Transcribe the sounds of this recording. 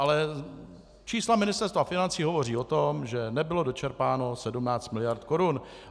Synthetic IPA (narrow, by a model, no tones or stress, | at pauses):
ʔalɛ | t͡ʃiːslamɪnɪst̪ɛɾst̪vafɪnant͡siːɦo̞vo̞r̝iːo̞t̪o̞mʒɛnɛbɪlo̞do̞t͡ʃɛɾpaːno̞sɛdumnaːt͡st̪mɪlɪjaɾt̪ko̞ɾun